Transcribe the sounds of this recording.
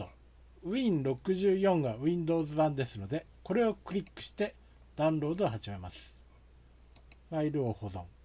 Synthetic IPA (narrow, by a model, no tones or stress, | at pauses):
o | ɯ̟ĩnɾo̞kɯ̟ʑɨːjõ̞ŋɡaɯ̟ĩnd̪o̞ːzɨbãnd̪e̞sɨno̞d̪e̞ | ko̞ɾe̞o̞kɯ̟ɾʲikːɯ̟̥ɕi̥t̪e̞ | d̪̥ãɯ̃nɾo̞ːd̪oohaʑime̞masɨ̥ | βaiɾɯ̟oho̞zõ̞ŋ